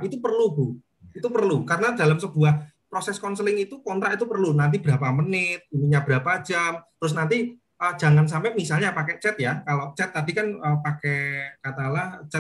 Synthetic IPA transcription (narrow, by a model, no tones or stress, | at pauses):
it̪upərlubu | it̪upərlukaɾənada̤lamsəb̥uah | pɾosɛskɔnsəlɪŋit̪ukɔnt̪ɾaʔit̪upərlunant̪̬ibəɾapamənɪt̪̚d̥uniɲabəɾapḁd͡ʒamt̪əɾʊs̬nant̪i | ʔə̥d͡ʒ̥a̤ŋans̬ampɛmisalɲapakɛt͡ʃɛt̪̚jakalot͡ʃɛt̪ːadikanəpakɛkat̪alaht͡ʃɛt̚